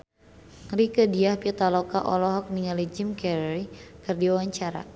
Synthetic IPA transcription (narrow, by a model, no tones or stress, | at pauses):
rikədiahpit̪alɔkaʔɔ̰lɔɦɔk̚niŋalid͡ʒimkɛɾikɨrdiwawaɲt͡ʃaɾa̰